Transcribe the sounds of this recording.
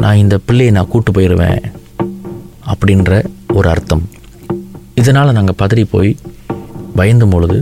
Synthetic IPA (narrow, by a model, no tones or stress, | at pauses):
nʔãːɪnd̪ɐpɪɭːɛjnãːkuːʈːɯpːoːjɪɾɯʋḛ̃ː | ɐpːɐɽɪnɾɐɔɾɯɐ̰ɾt̪ːɐm | ɪðɐnaːlɐnaːŋɡɐpɐðɪɾipo̰ːj | ʋɐjɐnd̪ɯmpɔɭɯðɯ